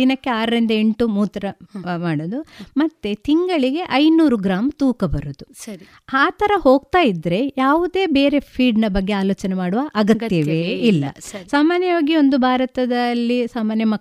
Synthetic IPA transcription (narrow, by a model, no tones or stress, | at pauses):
d̪inɐkːe̞aːɾɐɾind̪ɐe̞ɳʈumuːt̪ɾɐmaːɽoːd̪umɐt̪ːet̪iŋɡɐɭiɡe̞ʔɐjnuːɾuɡɾaːmt̪uːkɐbɐɾud̪usɐi | aːt̪ʰɐɾɐho̞ːɡ̚t̪aːjid̪ɾe̞jaːʋud̪e̞ːbe̞ːɾe̞pʰiːɖnɐbɐɡːeaːloːt͡ʃɐnemaːɽuʋɐʔɐɡɐt̪ːjɐʋeilːɐ̰ssaːmaːnjɐʋaːɡio̞nd̪ubʱaːɾɐt̪ɐd̪ɐlːisaːmaːnjɐmɐ